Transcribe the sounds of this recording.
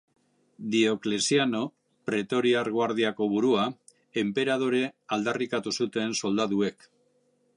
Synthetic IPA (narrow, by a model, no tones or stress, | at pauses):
d̪io̞klesiano̞ | pɾe̞t̪o̞ɾiaɾɣwaɾðiako̞βuɾua | empe̞ɾað̞o̞ɾe̞ald̪arikat̪usut̪e̞nso̞ld̪aðue̞k